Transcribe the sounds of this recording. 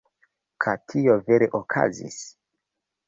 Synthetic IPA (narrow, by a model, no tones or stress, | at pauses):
kʰatʰio̞ve̞ɾeʔokʰa̰zḭs